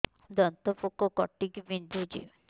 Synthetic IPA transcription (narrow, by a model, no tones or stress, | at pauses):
d̪ɔnt̪ɔpukɔkɔʈːikibind̪ʱud͡ʒḭ